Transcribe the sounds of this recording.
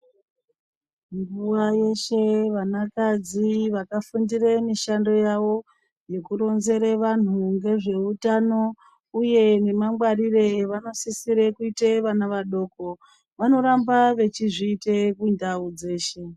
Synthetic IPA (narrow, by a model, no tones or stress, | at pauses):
ŋɡuwaje̞ʃe̞ʋanakad͡ziʋakafundiremiʃando̞jaʋo̞ | je̞kuɾo̞nze̞ɾeʋan̤uŋɡe̞ʐe̞utano̞ | uje̞ne̞maŋɡwarire̞ʋano̞sisiɾekuiteʋanaʋaɗo̞ːko̞ | ʋano̞ɾambaʋe̞t͡ʃiʐiːtekuindaud͡ze̞ːʃe̞